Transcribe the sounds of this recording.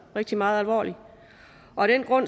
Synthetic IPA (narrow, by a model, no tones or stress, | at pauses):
ʁɛɡ̥̚d̥imɑ̈ːð̞̩ˠælʋɒ̰ːli | ʔɒ̽d̥en̰ɡ̥ʁɔ̽n̰